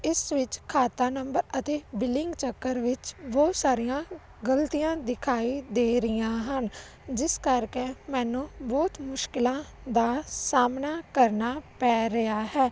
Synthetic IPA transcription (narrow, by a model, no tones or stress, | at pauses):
ɪsʋɪt͡ʃkʰaːt̪aːnəmbəɾət̪eːbɪlɪŋɡt͡ʃəkːəɾʋɪt͡ʃbɔːt̪saːɾijãː | ɡəlt̪ijãːd̪ɪkʰaːiːd̪eːɾɪjãːɦən | d͡ʒɪskəɾkeːmɛːnũːbɔːt̪mʊʃkɪlãːd̪aːsaːmnaːkəɾnaːpɛːɾəaːɦɛː